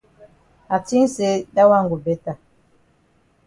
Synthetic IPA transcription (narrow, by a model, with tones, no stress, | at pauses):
a˨ti˦n̩˦se˨˦da˦wa˦˨ŋ˨ɡu˨be˨˦ta˨